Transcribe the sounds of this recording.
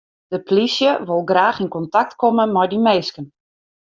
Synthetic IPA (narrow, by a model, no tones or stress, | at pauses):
d̥əplisjəʋolˠɡraːxinkɔntak̚tkɔmənmɛjdimeːskən